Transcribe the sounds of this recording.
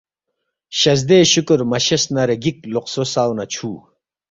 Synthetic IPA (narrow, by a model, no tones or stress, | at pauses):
ɕɐz̬d̪eːɕukuɾmɐɕɐsnɐɾeɡikloqsosaːwnɐt͡ɕʰuː